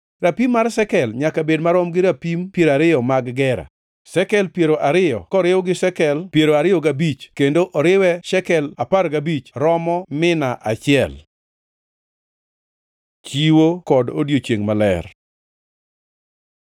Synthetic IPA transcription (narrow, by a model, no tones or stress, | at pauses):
ɾapimːarsɛkɛlɲakabedmaɾɔmɡɪɾapimpjeɾaɾɪjɔmaɡɡɛɾa̰ | sɛkɛlpjeɾoʔaɾɪjɔ̰kɔɾɪwɔɡɪʃɛkɛlpjeɾoaɾɪɔɡabit͡ʃkendoʔɔɾɪwɛʃɛkɛlaparɡabit͡ʃɾɔmɔmɪnaʔat͡ʃɪɛl | t͡ʃiwokɔdodjot͡ʃjeŋmalɛ̰r